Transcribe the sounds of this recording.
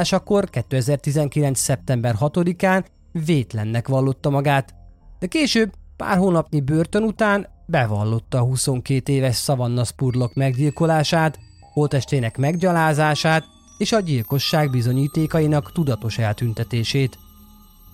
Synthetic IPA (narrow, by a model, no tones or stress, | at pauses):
ʃɒkːo̞rkɛt̪ːøːɛzɛrt̪izɛŋkilɛnt̪ssɛp̚t̪ɛmbɛrɦɒt̪o̞d̪ikaːn | veːt̪lɛnːɛkʋɒlːo̞t̪ːɒmɒɡaːt̪d̪ɛkeːʃøːb̚pa̰ːrɦoːnɒpnibøːrt̪ø̞nut̪aːn | bɛvɒ̰lːo̞t̪ːɒːɦuso̞ŋkeːt̪eːvɛʃsɒvɒnːɒspurlo̞kmɛɡɟilko̞laːʃaːt̪ | hoːlt̪ɛʃt̪eːnɛkmɛɡɟɒlaːzaːʃaːt̪ | eːʃɒɟilko̞ʃːaːɡbizo̞ɲiːt̪eːkɒjinɒkt̪ud̪ɒt̪o̞ʃɛlt̪ynt̪ɛt̪eːʃeːt̪